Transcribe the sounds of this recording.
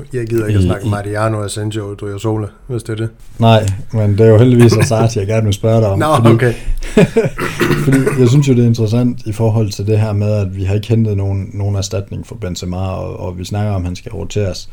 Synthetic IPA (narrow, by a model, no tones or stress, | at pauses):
jɑ̈ɪɡ̥iðˠɐsnɑ̈ɡ̥mɑ̈ʁiɑnoæsenɕod̥uoso̝̰ːlə | ʋesd̥eɐd̥e | nɑ̈ɪ̰mend̥e̝æɐjo̝ɦel̰d̥iʋḭːsæsɑ̈ɡd̥jɑɡ̥æɐnʋelsb̥ɶɐɾɑɒ̽fɒdiːe | fɒd̥ḭːjɑ̈ɪs̬ynsjo̝d̥e̝ɐe̝nd̥ʁəsæn̰d̥ifɒːɦɒ̽l̰ˠt͡sʰe̝ld̥e̝ɦæɐ̰með̞ˠæd̥ʋiɦɑ̈e̝ɡ̥əhend̥ð̞̩ˠno̝ːn̩ːo̝ːn̩æɐsd̥æd̥ne̝ŋfɒ̽b̥ensemɑ̈ɒɒʋisnɑ̈ɡ̥ɐɒ̽mhænsɡ̥æʁot͡sʰe̝̰ːɐs